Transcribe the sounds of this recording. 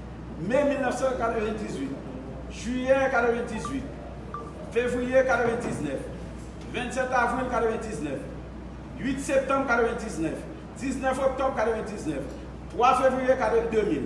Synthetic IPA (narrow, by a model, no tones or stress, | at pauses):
memĩnɔfsɛkaɾɛvɛ̃ndizwit̚ | ʒũjɛkaɾɛvɛ̃ndizwit̚ | fevɾijɛkaɾɛvɛ̃ntiznɛf | vɛ̃nsɛ̃tavɾĩnkaɾɛvɛ̃ntiznɛf | jitsɛp̚tɔ̃mkaɾɔvɛ̃ndisnɛf | tisnɛfɔp̚tɔ̃mkaɾɛvɛ̃ntiznɛf | twafevɾiɛkaɾɛdomĩn